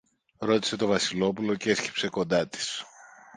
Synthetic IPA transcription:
ɾo̞t̪i̥se̞t̪o̞vɐsilo̞pulo̞cesci̥pse̞ko̞nd̪ɐt̪i̥s

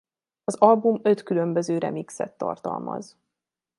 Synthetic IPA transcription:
ɒzɒlbumø̞t̪kylømbøzøːɾɛmiksɛ̰t̪ːɒ̰rt̪ɒ̰lmɒ̰z

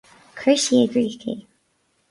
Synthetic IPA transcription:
kʰɹ̥ɪʃiəɡɹiːθḭ

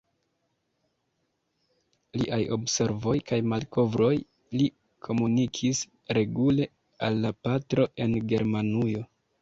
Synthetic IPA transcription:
lḭʔajo̞̰bse̞ɾvo̞jkajmalko̞vɾo̞j | li | kʰo̞munikʰis | ɾe̞ɡule̞ | alːapatɾo̞e̞nɡe̞ɾmanujo̞

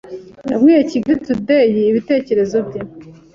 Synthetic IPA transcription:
na̰bɡiːjaciɡɾitudejiːβite̞ːce̞ɾe̞zo̞bje

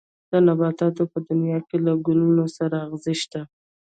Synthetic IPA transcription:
d̪̥anabɑt̪ɑt̪opəd̪ʊnjɑkelaɡulunosaɾaːɣzɪʃt̪a

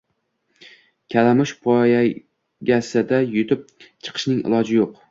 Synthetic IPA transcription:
kʲʰalamɪʃpʰɒja | ɡʲasɪd̪ajʊt̪ʰɪp̚t͡ʃʰɨ̥qʰɨ̥ʃnɪŋɪ̰lˠɒd͡ʒɪjoq

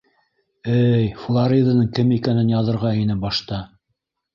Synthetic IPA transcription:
æjflˠaɾʲid̪anɤɴkɘmikænɘnjɑðɤ̆ɾʁɑinɘbɑʃt̪ɑ

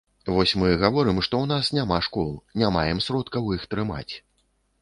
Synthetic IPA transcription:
vɔsʲmɨɣavɔɾɨmʂt̪ɔwn̪asnʲamaʂkɔlˠnʲamajɛmsɾɔt̪kɐwixt̪ɾɨma̰t͡sʲ

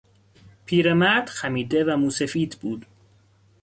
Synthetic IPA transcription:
pʰiːɾemæɾd̪̥xæmiːd̪evæmuːsefiːt̪ʰbuːd̪̥

